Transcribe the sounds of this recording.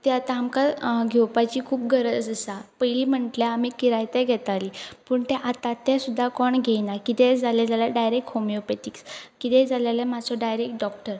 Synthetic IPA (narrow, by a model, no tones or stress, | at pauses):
t̪ɛat̪aamkaɡʱɛwpat͡ɕiːkʰuːp̚ɡʱəɾəd͡zəsapəiliːm̤əɳʈljaːm̤ikiɾajt̪ɛɡʱɛt̪alipəːɳt̪ɛ̃ʔat̪ãt̪ɛsud̪ʱːakɔɳɡʱɛjnakit̪ɛ̃d͡zʱalɛd͡zaljaɖajɾekʈhomiopeʈikskit̪ɛ̃d͡zalalamad͡zʰɔɖajɾek̚ʈ̚ɖɔkʈəɾ